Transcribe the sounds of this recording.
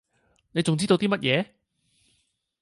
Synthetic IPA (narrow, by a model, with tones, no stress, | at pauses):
ne˨˧jt͡sʊ˨ŋt͡siː˥t̪o˧wt̪iː˥mɐ˥t̚jɛː˨˧